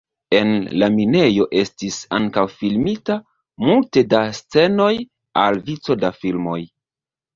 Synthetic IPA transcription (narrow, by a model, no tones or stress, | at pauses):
e̞nlamine̞jo̞ʔe̞stisa̰ŋkawfilmita | multe̞dast͡se̞no̞j | a̰lvit͡so̞dafilmo̞j